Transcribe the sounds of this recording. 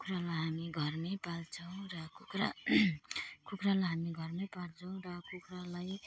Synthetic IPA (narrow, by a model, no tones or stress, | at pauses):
kukɾalaɦamiɡʱʌrnepalt͡sʰʌw̃rʌkukra̰ | kukɾalajɦamiɡʱʌrnepalt͡sʰʌw̃ɾʌkukralaj